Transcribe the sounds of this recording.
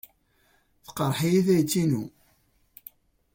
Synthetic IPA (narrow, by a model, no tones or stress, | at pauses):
θə̥qəɾˤħijiθæjt͡sːinu